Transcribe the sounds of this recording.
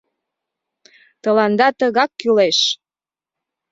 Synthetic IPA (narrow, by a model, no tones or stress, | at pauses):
t̪əlɑnd̪ɑt̪əɣɑkːyleʃ